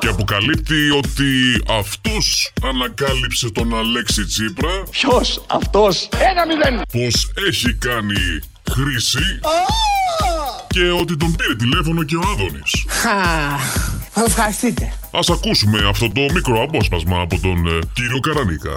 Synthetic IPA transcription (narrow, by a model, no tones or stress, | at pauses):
ce̞ɐpo̞kɐlip̚t̪io̞t̪iɐft̪usɐnɐkɐlipse̞t̪o̞nɐle̞ksit͡sipɾɐpçosɐ̰ft̪osenɐmiðenpo̞se̞çikɐni | xɾisi | ce̞o̞t̪̬it̪o̞mbiɾe̞t̪̬ile̞fo̞no̞ce̞oɐðo̞nḭsxɐ | θɐsefxɐɾist̪it̪e | ɐsɐkusume̞ɐft̪o̞t̪o̞mikɾo̞ɐpo̞spɐzmɐːpo̞t̪o̞nciɾio̞kɐɾɐnḭkɐ̰